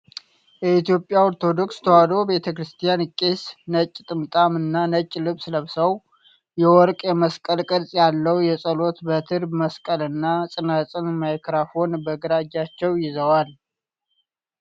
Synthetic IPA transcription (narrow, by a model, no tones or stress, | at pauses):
jɛit̪jo̞pʼːjawɔɾt̪ʰo̞d̪o̞kst̪ʰəwad̪obe̞t̪ʰəkɾɨst̪ʰijankʼːesnət͡ʃʼːt̪ʼɨmt̪ʼamɨnːanət͡ʃʼːlɨβsləβsəw | jɛwɔɾkʼjɛməskʼəlkʼɨdsʼjalːəwjɛsʼəlo̞t̪bət̪ʰɨɾbməskʼəlɨnːasʼɨnat͡sʼɨnmajkɾafo̞nbəɡɨɾad͡ʒat͡ʃːɛwjɪzəwal